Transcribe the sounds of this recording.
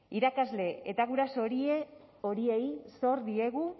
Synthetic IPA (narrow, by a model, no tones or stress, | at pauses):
iɾakazle̞et̪aɣuɾaso̞ɾie | o̞ɾie̞jso̞ɾd̪ie̞ɣ̞u